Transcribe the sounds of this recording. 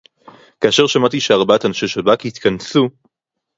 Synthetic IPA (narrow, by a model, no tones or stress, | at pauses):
kaːʃeʁʃamat̪iʃeaʁbat̪anʃeʃelbakihit̪kansu